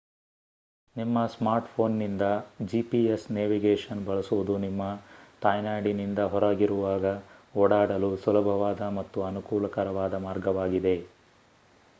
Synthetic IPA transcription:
nimːɐsmaːɾʈpʰo̞ːnːind̪ɐd͡ʒiːpiesneːʋiɡeːʂɐnbɐɭɐsuʋud̪unimːɐt̪aːjnaːɖinind̪ɐɦɔɾaːɡiɾuʋaːɡɐoːɽaːɽɐlusulɐbʱɐʋaːd̪ɐmɐt̪ːuɐnukuːlɐkɐɾɐʋaːd̪ɐmaːɾɡɐʋaːɡid̪e̞

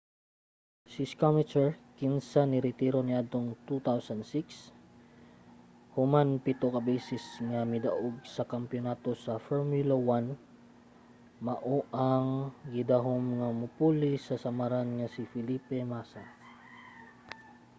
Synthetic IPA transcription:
sɪskamɪt͡ʃɛɹkɪnsanɪɾɪt̪iɾo̞nɪʔad̪̚t̪oŋt̪ut̪awsɐnd̪siks | hʊmanpɪt̪okɐbiːsɪsŋɐmɪd̪ɐʔoɡ̚sɐkɐmpjonat̪o̞sɐfɛɹmulawan | mɐʔoʔaŋɡɪd̪aɦomŋɐmʊpulɪsɐsɐmaɾanŋɐsɪfɪliːpɛmasa

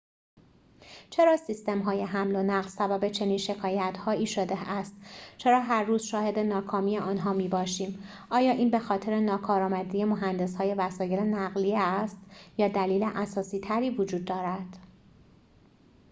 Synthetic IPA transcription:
t͡ʃʰe̞ɾɒːsist̪e̞mɦɒːje̞ɦæmlo̞næɣlsæbæbe̞t͡ʃʰe̞niːnʃe̞kʰɒːjæt̪hɒːiːʃod̪eæst̪t͡ʃʰe̞ɾɒːɦæɾːuːzʃɒːhe̞d̪e̞nɒːkʰɒːmiːeʔɒːnɦɒːmiːbɒːʃiːm | ʔɒːjɒːʔiːnbe̞xɒːt̪ʰe̞ɾenɒːkʰɒːɾɒːmæd̪iːje̞moɦænd̪e̞shɒːje̞væsɒːje̞lenæɣliːæst̪jɒːd̪æliːleʔæsɒːsiːt̪ʰæɾiːvod͡ʒuːd̪̚ːɒːɾæd̪̥

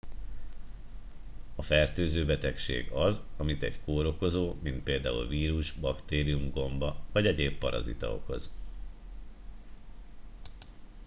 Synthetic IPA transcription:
ɒfɛrt̪øːzøːbɛt̪ɛkʃḛːɡɒzɒmit̪ɛɟkoːɾo̞ko̞zoːmint̪̚peːld̪aːṵlviːɾuʒbɒkt̪eːɾijumɡo̞mbɒvɒɟɛɟeːpːɒɾɒ̰zḭt̪ɒ̰o̞̰ko̞̰z

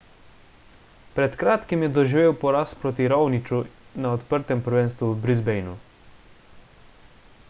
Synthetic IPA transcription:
pɾɛt̪kɾaːt̪kimjɛd̪ɔʒiʋeːwpɔɾaspɾoːt̪iɾɔwnit͡ʃunaɔt̪pəɾt̪ɛmpəɾʋɛnst̪ʋuwbɾizbɛjnu

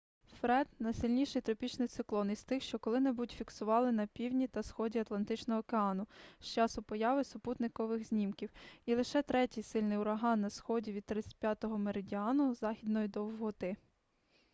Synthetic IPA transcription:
fɾɛd̪nɐjsɪlʲnʲiʃɛjt̪ɾɔpʲit͡ʃnɪjt̪sɪklˠɔnist̪ɪxʃt͡ʃɔkɔlˠɪnɛbutʲfʲiksʊʋɑlˠɪnɐpʲiwnʲit̪ɐsxɔdʲiɐt̪lˠɐnt̪ɪt͡ʃnɔɦɔːkeɑnʊʃt͡ʃɑsʊpɔjɑʋɪsʊput̪nɪkɔʋɪɣzʲnʲimkʲiwilˠɪʃɛt̪ɾɛtʲijsɪlʲnɪjʊɾɐɦɑnːɐsxɔdʲiʋʲid̪̚t̪ɾɪt̪sʲɐ̥t̚ʲpʲjat̪ɔɦɔmeɾedʲiɑnʊzɑxʲid̪nɔjid̪ɔwɦɔt̪ɪ

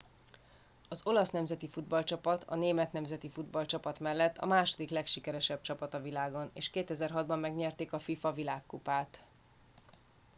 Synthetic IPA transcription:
ɒzo̞lɒsnɛmzɛt̪ifud̪bɒlt͡ʃɒpɒt̪ʰɒ̰neːmɛt̪nɛmzɛt̪ifud̪bɒlt͡ʃɒpɒt̪mɛlːɛt̪ːɒ̰maːʃo̞d̪iklɛkʃikɛɾɛʃɛb̚t͡ʃɒpɒt̪ɒvilaːɡo̞nḛːʃkeːt̪ɛzɛrɦɒd̪bɒmːɛɡɲɛrt̪eːkɒfifɒvilaːkːupaːt̪

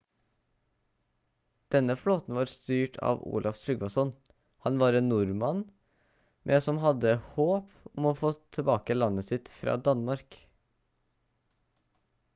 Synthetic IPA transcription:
d̪̥ɛnəfloːt̪n̩ʋɑːɾst̪yːʈʰɑ̰ːʋṵːlʔɑft̪ɾʏɡʋɑsɔn | hɑnʋɑːɾennʊɾmɑn | mʔeːsɔmhɑd̪əhoːp | ʊmoːfoːt̪ʰɛbɑːkəlɑnəsɪt̪fɾɑ̰ːd̪ɑnmɑɾk

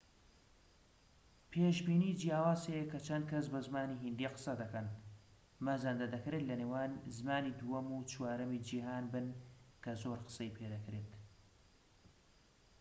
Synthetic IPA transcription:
pʰeːʃbiːniːd͡ʒijaːwaːzejkɐt͡ʃʰɐnd̪̚kʰɐs̬bɐzmaːniɦind̪iqə̥sɐd̪ɐkɐn | mɐzand̪ɐd̪ɐkɾeːt̪lɐneːwaːnzmaːniːd̪ujɐmut͡ʃwaːɾɐmid͡ʒiɦaːnbɨnkʰɐzoːɾqə̥sɐjpʰed̪ɐkɾeːt̪

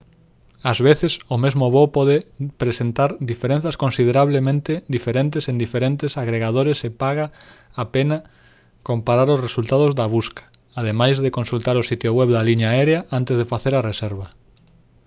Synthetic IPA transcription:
azβeθɪsʊmezmʊβopɔðepɾesent̪aɾd̪ifeɾẽn̟θɐskõnsið̞eɾaβlemẽnt̪ɪd̪ifeɾent̪esend̪ifeɾent̪ɪsaɣɾeɣað̞oɾesepaɣaːpenɐ | kompaɾaɾʊsresult̪aðʊzðɐβuskɐ̥ | að̞emajzðekonsult̪aɾʊsit̪jʊɣwɛβd̪ɐliɲaɛɾeaʔant̪ezðefaθeɾɐresɛɾβɐ

